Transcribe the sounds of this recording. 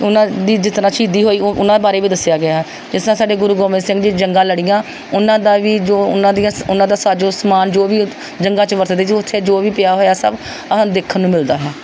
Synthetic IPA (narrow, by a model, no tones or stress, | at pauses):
ʊnãːd̪iːd͡ʒɪt̪naːt͡ʃiːd̪iːɦoːiːʔʊnãːd̪eːbaːɾeːʋiːd̪əsjaːɡɪaː | d͡ʒɪsnãːsaːɖeːɡʊɾuːɡoːmɪ̃ːsɪ̃ŋɡd͡ʒiːd͡ʒəŋɡãːləɽɪjãː | ʊnãːd̪aːʋiːd͡ʒoːʊnãːd̪ɪjãːʊnãːd̪aːsaːd͡ʒoːsmaːnd͡ʒoːʋiː | d͡ʒəŋɡãːt͡ʃəʋəɾt̪əd̪eːd͡ʒʊt̪ʰːeːd͡ʒoːʋiːpɪjaːɦoːjaːsə̰b | əɦãːd̪eːkʰənːũːmɪld̪aːɦɛː